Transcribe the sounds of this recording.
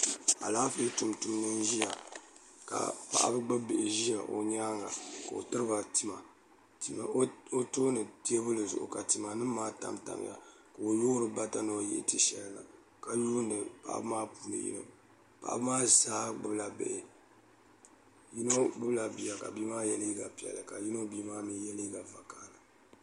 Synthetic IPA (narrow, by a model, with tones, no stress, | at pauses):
a̰˨laː˦fe˦tu˨mtu˨mnɨ˦n˦ʒi˦ja˨ | ka̰˨pa̰˦˨ʔa̰˦bɨ˦ɡ͡bɨ˦bɪ˨ʔɪ˨ʒi˦ja˨ʔo̰˨ɲaː˦ŋɡa˨ka˨o̰˨tɨ˦ɾɨ˦ba˨ti˦ma˨˦ | o˦to˦nɨ˨ti˦e˦bɨ˦lɨ˨zʊ̰˨ʔʊ̰˨ka˨ti˨ma˨nɨ˦maː˦ta̰˦mta̰˨mja̰˨ | ka˨o˨jo˦ɾɨ˨˦ba˦ta˦no˨˦jɛ̰˦ʔti˦ʃɛ˦lla̰˨ | ka˨ju˦nɨ˨pa̰˦ʔa̰˦bɨ˦maː˦puː˦nɨ̰˨jḭ˦nɨ̰˦ | pa̰˨ʔa̰˦bɨ˦maː˦zaː˦ɡ͡bɨ˦bla˨bɛ̰˦˨ɪ˨ | ji˦no˦ɡ͡bɨ˦bla˨bi˨ja˨ka̰˨biː˦maː˦jɛ˨li˦ɡa˨pi˨ɛ̰˨lɨ˨ka˨ji˦no˦biː˦maː˦mi˦jɛ˦li˦ɡa˨va˨kaː˦la˨